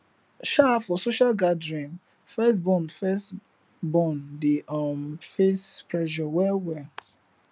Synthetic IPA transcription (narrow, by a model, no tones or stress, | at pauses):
ʃafɔsoʃalɡadɹĩn | fɛsbɔ̃nfɛst | bɔ̃ndemfespɹɛʃɔwɛwɛ